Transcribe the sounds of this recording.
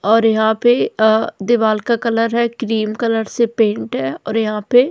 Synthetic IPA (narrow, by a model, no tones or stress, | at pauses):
ɔːɾjɐɦãped̪ɪʋaːlkakɐləɾɦɛkɾiːmkɐləɾsepẽːɳʈɦɛːɔːɾjɐɦãːpe